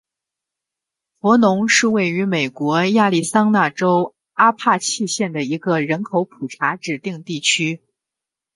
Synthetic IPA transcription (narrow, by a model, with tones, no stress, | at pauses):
fwɔ˧˥nʊ˧˥ŋʂɻ̩˥˧we˥˩ɪy˧˥me˨˩ɪkwɔ˧˥ja˥˧li˥˩sɑ˥ŋna˥˩ʈ͡ʂo˥ʊ | a˥pʰa˥˧t͡ɕʰi˥˧ɕjɛ˥˩nd̪ə˩i˧˥ɡə˧ɻə˧˥nkʰo˧˥ʊpʰu˨˩ʈ͡ʂʰa˧˥ʈ͡ʂɻ̩˨˩t̪i˥˧ŋt̪i˥˩t͡ɕʰy˥